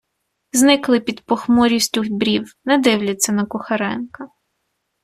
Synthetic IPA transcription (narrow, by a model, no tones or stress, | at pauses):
znɪklˠɪpʲid̪pɔxmɔɾʲisʲtʲuxʲbɾʲiwnɛd̪ɪwlʲɐtt͡sʲːɐnɐkʊxɐɾɛnkɐ